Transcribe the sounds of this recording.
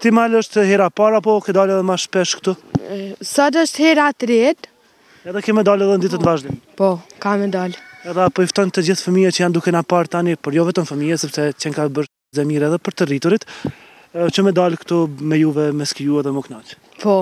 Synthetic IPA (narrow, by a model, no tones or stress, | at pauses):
t̪imaləʃt̪hɛɾapaɾapɔkɛd̪alɛðɛmaʃpɛʃkt̪u | sad̪əʃt̪hɛɾat̪ɾɛd̪ | ɛðɛkɛmːɛd̪alɛðɛnd̪it̪ət̪nvaʒd̪ɛmpɔkamɛd̪alɛðɛapɔift̪ɔnt̪əd͡ʑiθfəmijat͡ɕəjand̪ukɛnapaɾt̪anipəɾjɔvɛt̪əmfəmijɛsɛpsɛt͡ʃɛŋkabəɾt̪ | zɛmiɾɛðɛpəɾt̪ərit̪uɾit̪ | t͡ʃəmɛd̪alkt̪umɛjuvɛmɛskijuɛðɛmɔknat͡ʃ | pɔ